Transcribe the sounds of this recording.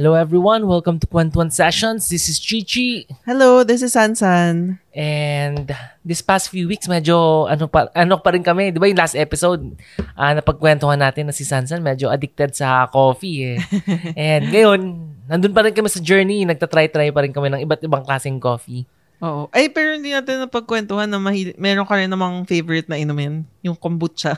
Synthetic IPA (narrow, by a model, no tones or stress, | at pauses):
hɛlowɛvɹiwɐnwɛlkɐmt̪ʊkwɛnt̪wɐnsɛʃonsd̪ɪsɪst͡ʃit͡ʃihɛloðɪs̬ɪsːansɐnʔɛnd̪d̪ɪspast̪fjuwiksmɛd͡ʒoʔɐnopɐʔɐnopɐɾɪnkɐmɛd̪ɪbajʊŋlast̪ʔɛpɪsowd̪̚ʔanɐpɐɡ̚kwɛnt̪ohɐnːaːt̪ɪnːɐsɪsansɐnmɛd͡ʒoʔɐd̪ɪk̚t̪ɛd̪̚sɐko̞ːfiɛʔɛnd̪̚ŋɐjo̞nːɐnd̪ʊnpɐɾɪnkɐmɛsɐd͡ʒɛɹninɐɡ̚t̪ɐt̪ɾajt̪ɾaːjpɐɾɪnkɐmɛnɐŋʔɪbat̪̚ɪbaŋklaːsɛŋko̞ːfi | ʔoːʔoʔɐjpɛːɾohɪnd̪inaːt̪ɪnːɐpɐɡ̚kwɛnt̪ohanːɐmɐhiːlɪmɛɾoŋkɐɾɪnɐmɐŋfejvɛɹɪt̪̚nɐʔɪnʊmɛnjʊŋkombʊt̪̚t͡ʃa